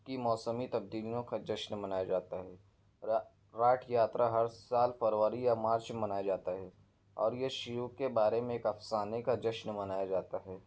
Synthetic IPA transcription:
kimɔːsəmit̪ɐb̚d̪iːlijõkad͡ʒɐʃnmɐnaːjad͡ʒaːt̪aɦɛː | ɾaːʈʰjaːt̪ɾʔaɦɐɾsaːlfɐɾʋəɾijamaːɾt͡ʃemɐnaːjad͡ʒaːt̪aɦɛ | ɔ̰ːɾjeʃʊjukebaːɾemẽeːkɐfsaːnekad͡ʒɐʃnmɐnaːjad͡ʒaːt̪aɦɛː

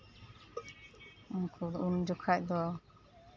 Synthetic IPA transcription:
unkʰɔd̪und͡ʒɔkʰac̚d̪ɔ

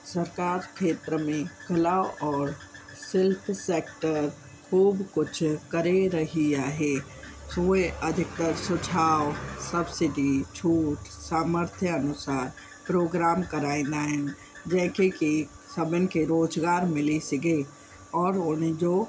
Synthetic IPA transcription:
səɾkaːɾkʰeːt̪ɾəmẽkəlaːwɔːɾ | sɪlpʰseːk̚ʈəɾ | kʰuːbkʊt͡ʃʰkəɾeɾəɦiaɦe | soeʔəd̪ʱɪk̚t̪əɾsʊt͡ʃʰaːwsəbsɪɖit͡ʃʰuːʈsaːməɾt̪ʰjəənʊsaːɾ | pɾoːɡɾaːmkəɾaːẽnd̪aɛn | d͡ʒɛ̃ːkeki | səbənkeɾoːd͡ʒɡaːɾmɪlisɪɡe | ɔːɾoned͡ʒo

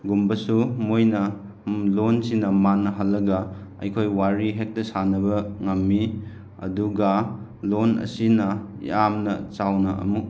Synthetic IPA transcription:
ɡumbɐsumojnɐ | lonsinɐmanːɐɦɐlːɐɡɐɐ̰jkʰojwaɾiɦek̚tɐsanɐbɐŋɐmːi | ɐ̰duɡɐ | lonɐ̰sinɐjamnɐt͡ʃawnɐʔɐ̰muk̚

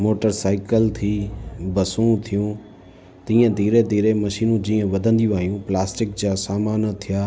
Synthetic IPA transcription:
moːʈəɾsaːɪkəlt̪ʰiːbɐsũt̪ʰijũː | t̪ĩːə̃d̪ʱiːɾed̪ʱiːɾemɐʃiːnũd͡ʑiːə̃ʋɐd̪ʱə̃nd̪iuʋaːɦijũplaːsʈɪk̚d͡ʑaːsaːmaːnt̪ʰijaː

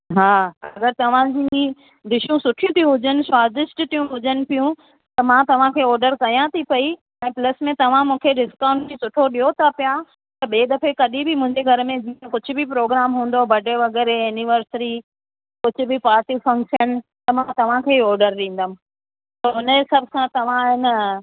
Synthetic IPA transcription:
ɦaːɐɡəɾt̪ɐʋ̤ãd͡ʑi | ɖɪʃũsʊʈʰijũt̪ʰiũɦʊd͡ʑənɪ̆swaːzɪʃʈt̪ijũɦʊd͡ʑənɪ̆pijũ | t̪ɐmãːt̪ɐʋ̤ãkʰeːɔːɾɖəɾkɐjãt̪ʰipɐi | ɛ̃ːplɐsmẽt̪ɐʋ̤ãmũːkʰeɖɪskãːʊ̃ɳʈd͡ʑisʊʈʰoɗiɦot̪ʰapija | t̪ɐɓeːɗ̪ɐfekɐɗĩbʱɪmʊ̃ɦɪ̃ɲd͡ʑeɡʱɐɾmẽd͡ʑiːẽkʊd͡ʑʱʊ̆bɪpɾoːɡɾaːmɦũːn̆d̪obɐɖeʋɐɡɛːɾeɛnɪʋəɾsɾi | kʊd͡ʑʱʊ̆bʱɪpaːɾʈifɐ̃ŋkʃənt̪ɐmãt̪ɐʋ̤ãkʰeːɔːɾɖəɾɗĩːn̆d̪əm | soɦʊnesɐbʱkʰãt̪ɐʋ̤ãɦɪn

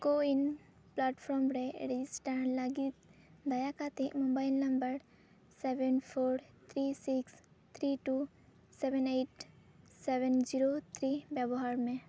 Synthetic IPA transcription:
ɡoin | plaːʈfʰɔmɾeɾid͡ʒisʈaɳlaɡit̪d̪ajakat̪imõbailːɐmbəɾ | seʋenpʰoɾt̪ʰɾisiks | t̪ʰɾiʈu | seʋeneːʈ | seʋend͡ʒiɾot̪ʰɾibjabɔɦaɾmẽ

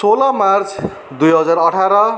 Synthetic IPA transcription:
solamart͡sʰ | d̪ujɦʌd͡zarʌʈʰaɾʌ

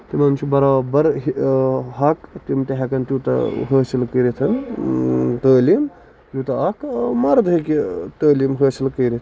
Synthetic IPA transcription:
t̪imɐmt͡ʃʰibɐɾabɐɾɦɦɐkt̪imʈeɦekɐnt̪jiːt̪ɐ̰ɦəːsilkəɾit̪ʰɐn | t̪əːlim | t̪juːt̪ɐɐkmɐɾd̪ʱɐket̪əːlimɦəːsilkəːɾit̪ʰ

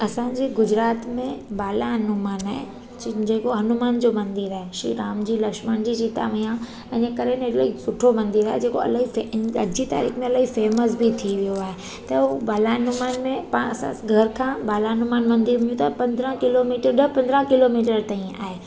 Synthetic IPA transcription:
ɐsãd͡ʑiɡʊd͡ʑɾaːt̪mẽbaːlaɦɐnʊmaːnaːɦḛ | d͡ʑeːkoɦɐnumaːnd͡ʑomɐ̃nd̪iɾaːɦeʃḭɾaːmd͡ʑiːlɐkʃməɽ̃d͡ʑid͡ʑit̪a̰ʋijã | ɐnə̃kɐɾenl̰isʊʈʰomɐ̃nd̪iɾaːɦed͡ʑeːkoɐ̰lːɦifɐd͡ʑit̪a̰ːɾiːxmẽɐlaːɦifeːməsbʱit̪ʰiʋijoaːɦe | t̪ɐbaːlaɦɐnumaːnmẽpasã̰ɡʱɐɾkʰãːbaːlaɦɐnumaːnmɐ̃nd̪iɾm̃jũt̪ʰapɐ̃nd̪ɾə̃kɪlomiːʈəɾɗɐpɐ̃nd̪ɾə̃kɪlomiːʈəɾt̪ãĩa̰ːɦeː

